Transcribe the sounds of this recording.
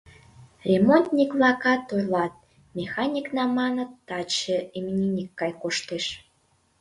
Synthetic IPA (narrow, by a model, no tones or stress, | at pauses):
rʲemont̪nʲikvlɑkɑt̪ojlɑt̪̚ | mʲexɑnʲiknɑmɑnə̆t̪ːɑt͡ɕəemnʲinʲikːɑjkoʃt̪eʃ